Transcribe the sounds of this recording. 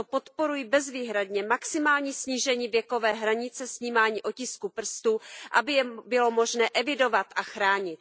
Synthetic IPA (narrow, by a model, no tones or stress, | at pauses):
opo̞t̪po̞ɾujibɛzviːɦɾadɲɛmaksɪmaːlɲiːsɲiːʒɛɲiːvjɛko̞vɛːɦɾaɲɪt͡sɛsɲiːmaːɲiːʔo̞cɪskupr̩st̪uʔabɪbɪlo̞mo̞ʒnɛːʔɛvɪdo̞vat̪ʔaxɾaːɲɪt̪̚